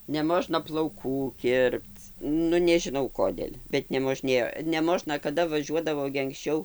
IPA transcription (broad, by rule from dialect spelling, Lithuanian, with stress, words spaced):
nʲɛˈmoːʒnɐ plˠɐʊˈkuː ˈkʲɪrpt͡s ˈnʊ nʲɛʒʲɪˈnɐʊ ˈkoːdʲeːlʲ bʲɛt nʲɛmoːˈʒʲnʲeːjoː nʲɛˈmoːʒnɐ kɐˈdɐ ʋɐˈʒʲuɔdɐʋoː ɡʲɪ ɐŋksʲˈt͡ʃʲɛʊ